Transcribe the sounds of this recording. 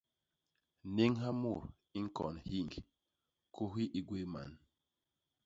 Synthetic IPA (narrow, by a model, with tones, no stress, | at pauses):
ne˦ŋɦa˦mu˦˨ɾ | i˦ŋ̩˦kɔ̰˨nhi˦˨ŋɡ | kʰo˦ɦi˦ʔi˦ɡwe˦ma̰˨n